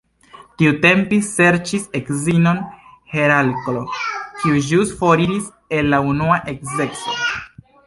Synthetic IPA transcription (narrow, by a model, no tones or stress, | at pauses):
tiute̞mpise̞ɾt͡ʃise̞kzino̞nhe̞ɾalklo̞kiud͡ʒusfoɾiɾis | e̞lːaunuaʔe̞kze̞kso̰